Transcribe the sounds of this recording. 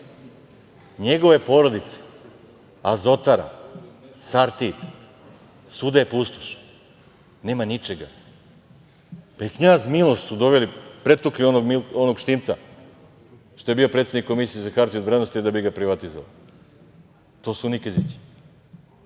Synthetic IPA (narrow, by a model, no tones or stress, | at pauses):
ɲe̞ɡo̞ʋe̞po̞ɾod̪it̪se̥ | azo̞t̪aɾa̰ | saɾt̪it̪ | sud̪ajepust̪o̥ʃ | ne̞ːmanit͡ʃeɡa̰ | paikɲaːzmilˠoʃsud̪o̞ʋelipɾe̞t̪uklionoɡmilonoɡʃt̪iːmt̪sa̰ | ʃt̪o̞je̞biːo̞pɾet̪sed̪nikːo̞misiezakaɾt̪iuoʋɾed̪nost̪id̪abiɡapɾiʋat̪izoʋa̰l | t̪o̞ːsunikezit̪si̥